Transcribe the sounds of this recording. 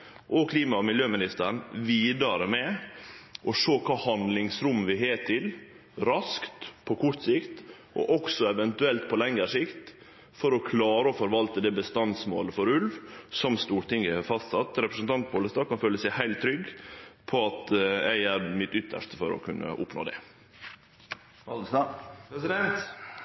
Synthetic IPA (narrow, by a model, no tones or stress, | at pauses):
ʔɔkʰliːmɑmɪljøːmɪnɪst̪əɾɳʋiːd̪ɑɾəmɛ | ʔɔʂoːkʰɑːhɑnd̪lɪŋsɾʉmːʋɪɦeːt̪ʰɪl | ɾɑskt̪pʰɔkʰʊɾt̪sɪkt̪ | ʔɔ̰ʔɔksɔɛʋɛnt̪ʉɛlt̪pʰɔlɛŋːəʂɪkt̪ | fɔɾɔkʰlɑːɾəɔfɔɾʋɑlt̪əd̪ɛːbəst̪ɑnsmo̰ːləfɔɾʉlʋsɔmst̪uːɾʈ̪ɪŋəɑfɑst̪sɑt̪ːɾɛpɾəsənt̪ʰɑnt̪̚boːləst̪ɑːkɑnføːləsæɪhæɪlt̪ʰːɾʏɡpʰɔɑt̪æɪæɾmɪt̪ʏt̪ʰːə̰ʂt̪ə̥fɔɾɔ̰kʰʉnːʔə̰ʔʊ̰pno̰ːd̪ɛ̰ | ɛ